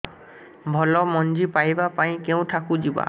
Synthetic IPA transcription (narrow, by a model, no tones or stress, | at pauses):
bʱɔlɔmɔnd͡ʒipajbapaĩkɛʊ̃tʰakũd͡ʒiba̰